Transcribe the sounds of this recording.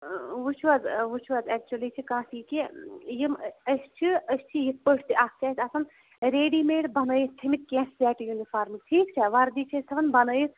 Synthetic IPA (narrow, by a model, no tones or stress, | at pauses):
ʋut͡ʃʰʋazʋut͡ʃʰʋaːzɛːk̚t͡ʃuɐlit͡ʃʰikãːsiːkijiməst͡ʃʰiəst͡ʃʰijit̪̚pəʈʰt̪iʔakt͡ʃʰaːt̪ɐsɐn | ɾeːɖiːmeːɽbɐnəːjit̪t̪ʰimit̪̚kʲẽːssɛːʈjunifaːɾmʈʰiːkt͡ʃʰɛʋɐɾd̪iːt͡ʃʰesʰɐʋɐnbɐnəːjit̪